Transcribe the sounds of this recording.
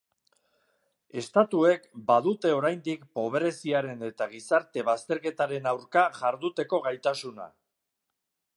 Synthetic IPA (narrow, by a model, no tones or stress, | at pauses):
e̞st̪at̪ue̞kbaðut̪e̞o̞ɾajnd̪ikpo̞β̞eɾe̞siaɾe̞ne̞t̪aɣ̞isaɾt̪e̞βast̪e̞ɾke̞t̪aɾe̞nawɾkaʝaɾðut̪e̞ko̞ɣajt̪asuna̰